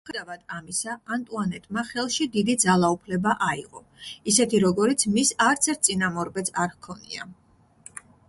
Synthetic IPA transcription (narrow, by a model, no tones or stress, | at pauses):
ɛd̪avad̪amisaːnt̪ʼuanɛt̪ʼmaχɛlˠʃid̪id̪id̪zalˠaupʰlɛbaʔaiʁɔ | isɛt̪ʰiɾɔɡɔɾit̪sʰmisaɾt̪sʰɛɾt̪̚sʼinamɔɾbɛt̪sʰaɾhkʰɔnḭa̰